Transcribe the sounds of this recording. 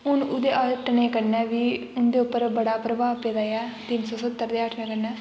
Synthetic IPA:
ɦʊnʊd̪eːʔaʈneːkəɾnɛːʋiːʊnd̪eːʊpːəɾbəɽaːpɾəbaːʋpeːd̪aːjɛːt̪ɪnsɔːsət̪ːəɾd̪eːəʈʰneːkəɾnɛː

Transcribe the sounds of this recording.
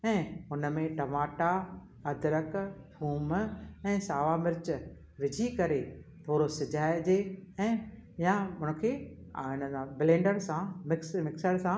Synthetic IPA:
ɛ̃ːʊnəmẽʈɐmaːʈa | ɐd̪ɾəkbʰʱuːmɛ̃ːsaːʋamɪɾɪt͡ɕ | ʋɪd͡ʑʱikɐɾet̪ʰoːɾosɪd͡ʑaːɪd͡ʑeɛ̃ːjaɦʊnə̆kʰeːɪnəãbɪlẽːɳɖəɽ̃sãmɪkmɪksəɽsã

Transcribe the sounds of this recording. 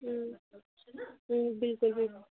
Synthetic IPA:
bɪlkʊlbɪlkʊ

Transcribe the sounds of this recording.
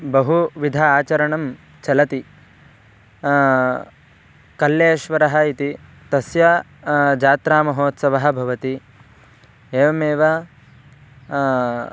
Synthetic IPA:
bɐɦuʋid̪ʱɐaːt͡ʃɐɾɐɳɐm | t͡ʃɐlɐt̪i | kɐljeːʃʋɐɾɐɦɐit̪i | t̪ɐsjɐ | d͡ʒaːt̪ɾaːmɐɦoːt̪sɐʋɐɦɐ̆bʱɐʋɐt̪i | eːʋɐmeːʋɐ

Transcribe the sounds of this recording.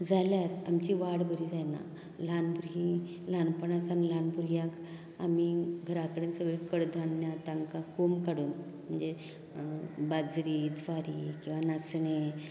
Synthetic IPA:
d͡zʱaljaɾamt͡ɕiʋaɽbəɾid͡zajna̰ | lanbuɾɦĩ | lanpəɳasanlanbuɾjãk | amiɡʱəɾakəɽeːnsəɡɭekəɽd̪ʱanjat̪aŋkakomkaɽuːn | m̤əɳd͡ze | bad͡zɾiːd͡zʱʋaɾiːkĩw̃ʋanasɳe

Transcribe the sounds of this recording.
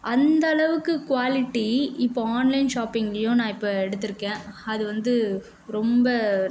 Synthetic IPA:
ʔɐnd̪ɐːɭɐʋɯkːɯkʊʋaːlɪʈːiɪpːoaːnlɐɪnʂaːpːɪŋɡɐɭɐjõːnãːɪpːɐɛɽɯt̪ːɯɾɯkːẽːɐðɯʋɐnd̪ɯ | ɾɔmbɐ

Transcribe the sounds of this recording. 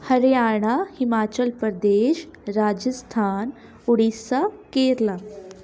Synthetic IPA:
hɐɾjaːɳ̃ahimaːt͡ɕəlpəɾd̪eːʃ | ɾaːd͡ʒəst̪ʰaːn | uɽisakeːɾla

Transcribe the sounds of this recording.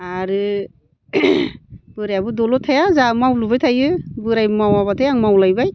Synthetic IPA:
aɾɯ | b̥ɯɾajabɯdɔlɔtʰajazamawlubajtʰajɯbɯɾajmawaβatʰajaŋmawlajbaj

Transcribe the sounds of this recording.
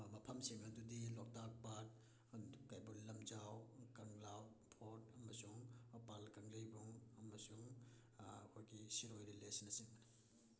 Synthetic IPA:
mɐpʰɐmsiŋɐdudilɔk̚tak̚pat̚ | kajbullɐmd͡ʒawkɐŋlawpʰoɾtɐmɐsuŋpalkɐŋlijbuŋɐmɐsuŋ | ɐkʰojɡisiɾojɾilesnɐsiŋmɐna

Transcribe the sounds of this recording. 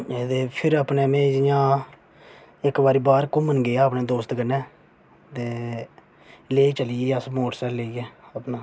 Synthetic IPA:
ed̪eːpʰɪɾəpneːmẽːd͡ʒɪjãː | ɪkbaːɾiːbaːɾkʊmənɡeːaːəpneːd̪oːst̪ɡənɛ̃ː | t̪eː | leːiːt͡ʃəliːiəsmoːʈsɛːlleːiɛːəpnãː

